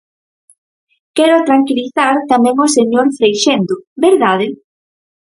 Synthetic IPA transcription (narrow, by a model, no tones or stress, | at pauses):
kɛɾʊt̪ɾaŋkiliθaɾt̪amɛ̃ŋoseɲoɾfɾejʃend̪ʊbeɾðað̞ɪ